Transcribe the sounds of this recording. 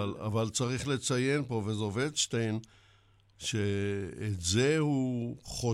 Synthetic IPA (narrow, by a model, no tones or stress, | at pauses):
ala̰valt͡saʁiχlet͡saje̞npo̞vezoved̪ʃtejn | ʃeːtzehuχo